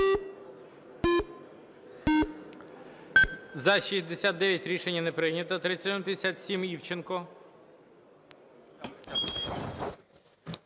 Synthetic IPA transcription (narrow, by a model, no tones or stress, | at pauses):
zɐʃizʲd̪esʲat̪̚d̪ɛʋʲjɐtʲɾʲiʃenʲːɐnɛpɾɪjnʲɐt̪ɔt̪ɾɪt͡sʲːɐt̪ʲɔmpʲjd̪esʲat̪sʲimiwt͡ʃenkɔ